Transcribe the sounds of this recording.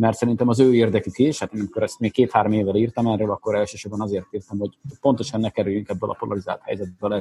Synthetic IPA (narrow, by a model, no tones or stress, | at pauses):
mɛrt̪sɛɾint̪ɛmɒzøːeːrd̪ɛkykiʃhat̪eːnɛmikoɾɛst̪meːk̚keːt̪haːɾomeːvːɛliːrt̪ɒmɛrøːlɒkːoɾɛlʃøːʃobɒnɒzeːrt̪iːrt̪ɒmho̞ɟpo̞nt̪o̞ʃɒnːɛkɛɾyjyŋkɛbːølʔɒ̰po̞lʔɒɾizaːlt̪hɛ̰jzɛt̪bølɛ